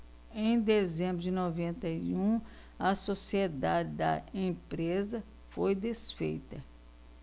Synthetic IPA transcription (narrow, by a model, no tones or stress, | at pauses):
ẽj̃d̪ezẽmbɾʊd͡ʒɪnovẽnt̪ɐiũ | ɐsosied̪ad͡ʒɪd̪ɐ̰ẽpɾezɐ | fojd̪esfḛjt̪ɐ